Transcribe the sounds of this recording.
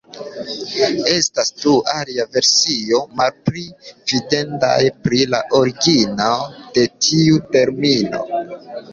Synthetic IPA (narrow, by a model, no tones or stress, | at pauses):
e̞stasdualiave̞ɾsio̞malpɾivide̞nda̰jpɾilaʔo̞ɾiɡinad̥e̞tʰiute̞ɾmino̞̰